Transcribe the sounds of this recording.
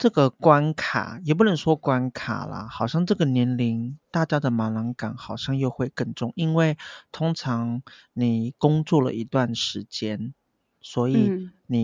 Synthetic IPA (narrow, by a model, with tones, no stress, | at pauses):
ʈ͡ʂɤ˥˩ɡə˨kwa˥nkʰa̰˨˩jɛ˨˩p̬u˥˩nə˧˥ŋʂwɔ˥kwa˥nkʰa̰˨˩lə̰˦xɑ˨˩ʊɕjɑ˥˩˧ŋʈ͡ʂɤ˥˩ɡə˩njɛ˧˥nli˧˥nt̪a˥˩t͡ɕja˥d̪ə˨ma˧˥nma˧˥ŋka̰˨˩nxɑ˨˩ʊɕjɑ˥˧ŋjo˥˧ʊxwe˥˧ɪkə˥˩nʈ͡ʂʊ˥˧ŋi˦˥nwe˥˩ɪt̪ʰʊ˥ŋʈ͡ʂʰɑ˧˥ŋni˨˩kʊ˥ŋt͡swɔ˥˩lə̰˨˩ʔi˧˥t̪wa˥˩nʂɻ̩˧˥t͡ɕjɛ˥n | swɔ˧˥i˨˩˦ni˨˩